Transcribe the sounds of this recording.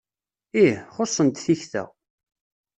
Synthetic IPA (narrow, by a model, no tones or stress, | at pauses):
ihχosˤːənt̪θiçθə̰ʁ